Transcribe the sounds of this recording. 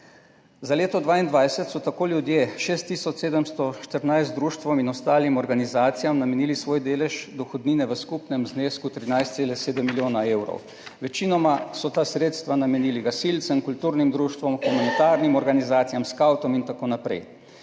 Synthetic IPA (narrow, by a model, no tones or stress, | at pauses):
zaleːt̪ɔd̪ʋaːind̪ʋajsɛt̪sɔt̪akoːlʲjud̪jeʃeːst̪ːiːsɔt͡ʃ̪eːd̪əmst̪ɔʃt̪əɾnajz̬t̪d̪ɾuːʃt̪ʋɔminɔst̪aːlimɔɾɡanizaːt̪sijamnamɛniːlisʋoːjd̪eːlɛʒd̪ɔxɔd̪niːnɛʋəskupnɛmzneːskut̪ɾinajst̪seːlɛseːd̪əmːiljoːnaeːwɾɔ̰w | ʋɛt͡ʃinɔmasɔt̪aːsɾeːt̪st̪ʋanamɛniːliɡasilt̪səmkult̪uːɾnimd̪ɾuːʃt̪ʋɔmxumanit̪aːɾnimɔɾɡanizaːt̪sijamskawt̪ɔmint̪akoːnapɾɛ̰j